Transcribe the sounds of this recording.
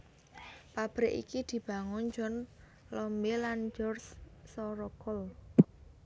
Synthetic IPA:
pab̥ɾɪʔḭkid̪̥i̤b̥ä̤ŋʊnd͡ʒɔn | lɔmbeland͡ʒɔrssɔɾɔkɔl

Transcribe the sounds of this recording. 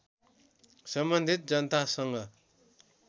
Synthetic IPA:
sʌmbʌnd̪ʱit̪̚d͡zʌnət̪ʰasʌŋɡʌ

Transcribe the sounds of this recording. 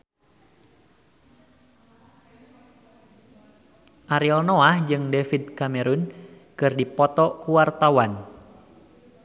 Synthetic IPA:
ʔaɾiɔlnoahd͡ʒɨŋdɛfid̚kamɛɾun | kɨrdipɔt̪ɔkuwart̪awan

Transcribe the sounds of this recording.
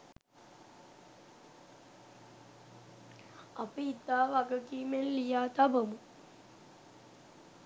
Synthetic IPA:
apiit̪ːaːʋaɡəkiːmenlijaːt̪abəmə

